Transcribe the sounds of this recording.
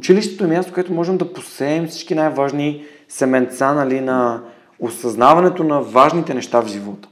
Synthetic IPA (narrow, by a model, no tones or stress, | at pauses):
ʊt͡ʃiliʃt̪ɛ̥t̪oɛmjast̪o̥koɛt̪omɔʒɛmd̪ɐposɛːmfsi̥t͡ʃkinajvaʒni | sɛmɛnt̪sanɐlinɐ | osɐznavɐnɛt̪onɐvaʒnit̪ɛnɛʃt̪avʒivɔt̪ə̥